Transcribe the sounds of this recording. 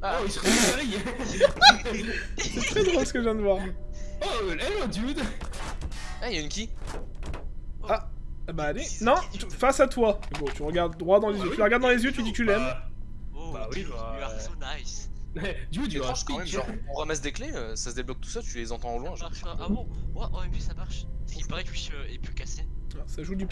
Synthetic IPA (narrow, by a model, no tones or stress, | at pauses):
aisʁɛai | sɛt̪χɛd̪ʁolsə̥kəʒjɛ̃d̪əvwaʁoɛlɔ̃d̪jud̪ | ɛjaynkʲi | abaːlenɔ̃t̪yfasat̪wamebɔ̃t̪yʁəɡaʁd̪d̪ʁwad̪ɑ̃lezjøt̪ylʁəɡaʁd̪ːɑ̃lezjøt̪yd̪it̪ylɛm | bawiaonajsɛd̪jud̪ɔ̃ʃkɑ̃mɛmʒɑ̃ʁɔ̃ʁəmɛsd̪ekleøsasəd̪eblɔk̚t̪u̥sat̪ylezɑ̃t̪ɑ̃lwɛ̃ʒãmwaʔɔ̃ɛpisamaʁʃsipaʁɛkisøɛpykasesaʒud̪yp